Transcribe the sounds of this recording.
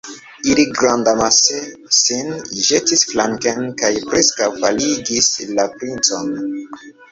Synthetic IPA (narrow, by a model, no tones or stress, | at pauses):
iliɡɾandamasesinʒetisflaŋkenkajpɾeskawvaliɡislapɾint͡so̞̰n